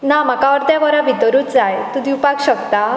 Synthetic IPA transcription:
namakaʋəɾt̪jaʋəɾabʱid̪əɾuːtd͡zajt̪ud̪ʱiupakɕəkt̪a

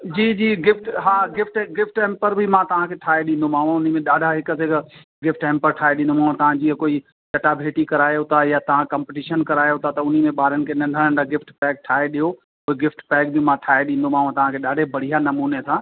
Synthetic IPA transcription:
d͡ʑiːd͡ʑiːɡɪfʈɦaːɡɪfʈɡɪfʈɛ̃ːmpəɾbʱɪmãt̪ɐʋ̤ãkʰeʈʰaːeɗĩnd̪omaːɦũʊn̤imẽɗaːɖʱaɦɪkə̆seɡ | ɡɪfʈɛ̃ːmpəɾʈʰaːeɗĩːnd̪omaːɦũt̪ɐʋ̤ãd͡ʑiːɦəkoːi | t͡ɕɐʈabʱeːʈikɐɾaːjot̪ʰajat̪ɐʋ̤ãkɐ̃ːmpɪʈiːʃənkɐɾaːjot̪ʰat̪ɐʊn̤imẽɓaːɾənɪ̆kʰenɐ̃ɳɖʱəɽəñd͡ʑaɡɪfʈpɛːk̚ʈʰaːeɗijo | oːeɡɪfʈpɛːkbʱɪmãʈʰaːeɗĩːn̆d̪omaːɦũt̪ɐʋ̤ãkʰeɗaːɖʱebɐɽ̤ijanɐmuːnesʰãː

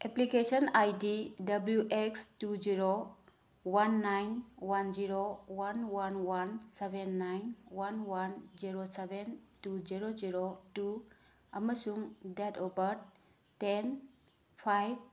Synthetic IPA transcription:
eplikesɔnajdidɐbljuʔekstud͡ʒiɾo | wanːajnwand͡ʒiɾowanwanwansebenːajnwanwanziɾosebentuziɾoziɾotu | ɐməsuŋdɛtobəɾ | ten | pʰajb̚

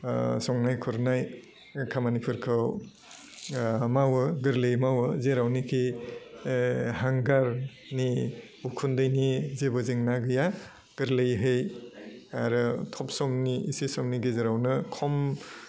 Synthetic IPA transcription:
sɔŋnajkʰuɾnaj | kʰamanipʰɯɾkʰɯw | mawɯɡɯɾlejmawɯzeɾawnikʰi | haŋɡaɾ | ni | ukʰundɯjnizebɔzeŋnaɡɯja | ɡ̥ɯɾlɯjɦɯj | aɾɯtʰɔp̚sɔmniisisɔmniɡezeɾawnɯkʰɔm

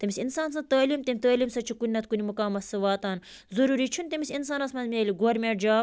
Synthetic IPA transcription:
t̪ɐmisʲinsaːnsɐ̃t̪aːliːmt̪emʲit̪ɐːliːmsɐt͡ʃʰikunːɐt̪̚kunʲimukaːmɐsɨʋaːt̪aːn | zɐɾuːɾit͡ʃʰunt̪ɐmʲisʲinsaːnɐsmɐzmʲieːlʲiɡoɾmʲeːd͡ʒaː

